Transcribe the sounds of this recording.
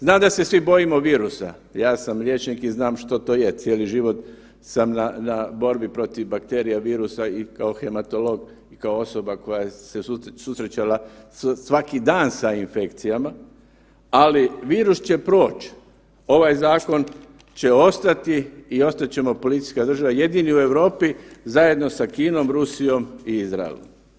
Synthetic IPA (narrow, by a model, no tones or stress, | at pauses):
znaːmd̪ase̞sʋibo̞jimo̞ʋiːɾusa̰ | jaːsamlʲje̞t͡ʃnikiznaːmʃt̪ot̪o̞ːjet̪sjeːliʒiʋo̞t̪ | samnanabo̞ɾbipɾo̞t̪iʋbakt̪e̞ːɾijaʋiːɾusaikaoxe̞mat̪o̞lo̞ɡ | ikaoo̞so̞bako̞jajesesususɾet͡ɕalasʋakid̪aːnsainfe̞kt̪sijama | aliʋiːɾust͡ɕe̞pɾo̞ːt͡ʃ | o̞ʋajzaːko̞n | t͡ɕe̞o̞st̪at̪iːo̞st̪at̪t͡ɕe̞mo̞po̞lit̪i̥skad̪r̩ʒaʋaje̞d̪iniue̞ʋɾo̞ːpizaje̞d̪no̞sakiːno̞mɾusijo̞miizɾa̰ḛlo̰m